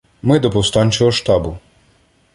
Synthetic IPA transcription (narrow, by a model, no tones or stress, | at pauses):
mɪd̪ɔpɔwst̪ɑnʲt͡ʃɔɦɔʃt̪ɑbʊ